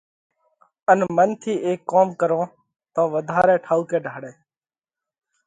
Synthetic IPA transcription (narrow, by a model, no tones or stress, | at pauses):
ənmənt̪ʰiːʔeːkːoːmkəɾõː | t̪õːʋəd̪ʱaːɾɛːʈʰaːuːkeːɖʱaːɽeː